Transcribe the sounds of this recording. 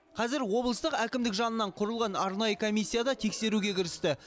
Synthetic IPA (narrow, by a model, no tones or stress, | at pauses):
qʰɑzɪɾwo̞blˠəst̪əqækʲɪmd̪ɪkʒɑnənːɑɴqʰʊɾəlˠʁɑnɑɾnɑjəkʰomijsʲːijad̪ɑt̪ʰe̞kse̞ɾuɡʲe̞kʲʰɪɾɪst̪ɪ